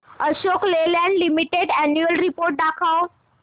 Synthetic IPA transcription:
əɕoklelãnlimiʈeɽɛnjuəlɾipoɾʈ̚d̪akʰaw

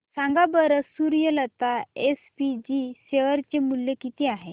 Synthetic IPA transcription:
sãŋɡabəɾəsuɾjələt̪aespid͡ʑiseʋəɾt͡ɕemuljekit̪iaɦe

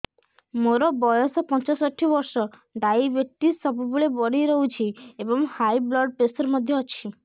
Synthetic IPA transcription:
moɾɔbɔjɔsɔpɔnt͡ʃɔsɔʈʰibɔɾsɔ | ɖajibeʈisɔbubuɭebɔɽiɾɔɦut͡ʃʰiebɔŋhajblɔɖ̚pesɔɾmɔd̪ʱjɔːt͡ʃʰi

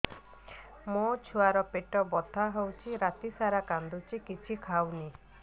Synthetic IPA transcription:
mot͡ʃʰuaɾɔpeʈɔbɔd̪ʱaɦewt͡ʃʰiɾat̪isaɾakand̪ut͡ʃʰikit͡ʃʰikʰawni

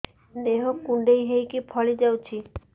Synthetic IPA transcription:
d̪eɦokuɳɖejɦejkipʰɔlid͡ʒawt͡ʃʰi

